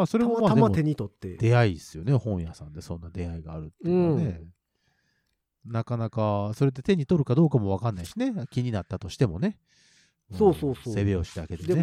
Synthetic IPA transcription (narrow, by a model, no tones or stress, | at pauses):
maːso̞ɾe̞momad̪eaot̪eɲ̟it̪ot̪ːed̪e̞aisɨjo̞ne̞hõ̞ɰ̃jasãnd̪e̞sõ̞nːad̪e̞aiɡaːɾɯ̟t̪ːẽne̞ | nakanakaso̞ɾe̞t̪̬ːe̞t̪e̞ɲ̟it̪o̞ɾɯ̟kad̪o̞ːkamo̞β̞akanːaiɕinekʲiɲ̟inat̪ːat̪o̞ɕi̥t̪e̞mo̞ne̞ | mosoːsoːsose̞be̞o̞ɕi̥t̪aake̞d̪ene